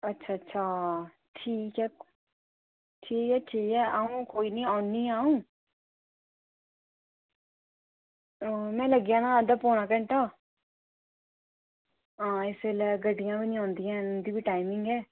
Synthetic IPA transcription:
ətːʃʰaːətːʃʰaː | ʈʰiːkɛː | ʈʰiːkɛːʈʰiːkɛːʔaːũːkoːiːnĩːãːniːaːũː | mɛ̃ːləɡjãːnãːd̪aːpɔːnaːkəɳʈaː | ɦãːɪselɛːɡəɖɪjãːʋiːnĩːãːnd̪ijãːd̪iːʋiːʈaːɪmɪŋɡɛː

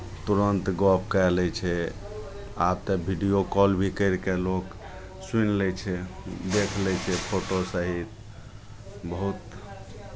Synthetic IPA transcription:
t̪uɾənt̪ɡɔpkalɛt͡ʃʰɛ | ab̚t̪ɔbʱiɖijokɔlbʱikəɪɾkelok | sunlɛt͡ʃʰɛd̪ekʰlɛt͡ʃʰɛpʰoʈosəɦit̪ | bəɦut̪

